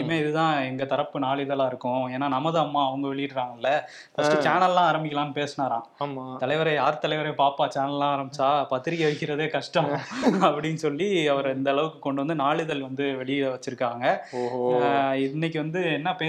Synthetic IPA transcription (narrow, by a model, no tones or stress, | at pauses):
meːɪðɯt̪ãːɛŋɡɐt̪ɐɾɐpːɯnaːɭɪðɐlaːɪɾɯkːʊ̃eːnːaːnɐmɐðɯɐmːaːɐʋɐŋɡɐʋɛɭɪjɪʈːɾaːŋɡɐɪlːɐ | fɐsʈɯt͡ʃaːnɐlːãːɐɾɐmbɪkːɐlãːnɯpeːsnaːɾãːmt̪ɐlɐɪʋɐɾɐaːɾt̪ɐlɐɪʋɐɾɐjpaːpaːt͡ʃaːnɐlːãːɐɾɐmbɪt͡ʃːaːpɐt̪ːɪɾɪjɛʋɐɪkːɪɾɐðeːkɐʂʈɐɐpːɐɽɪnːɯsɔlːiɐʋɐɾɛnd̪ɐːɭɐʋɯkːɯkɔɳɖɯʋɐnd̪ɯnaːɭɪðɐlʋɐnd̪ɯʋɛɭɪjʋɐt͡ʃːɪɾɯkːaːŋɡɐ | ɪɪnːɛk̬ʲːɯʋɐnd̪ɯɛnːɐpeː